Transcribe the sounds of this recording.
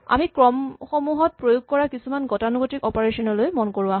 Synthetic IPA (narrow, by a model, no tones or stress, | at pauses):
a̰mikɹɔmxomuɦɔt̚pɹojuɡ̚kɔɹakisumanɡɔtanuɡotikɔpaɹesɔnɔlojmɔnkoɹuaɦ